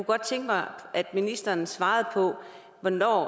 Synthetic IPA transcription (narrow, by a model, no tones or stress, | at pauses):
kuɡ̥ɒ̽d̥̚t͡sʰeŋɡ̥əmɑ̈ɪʔæd̥minisd̥ɐnsʋɑ̈ːð̩ˠpʰɒ̽ | ʋɒnɒ̰ː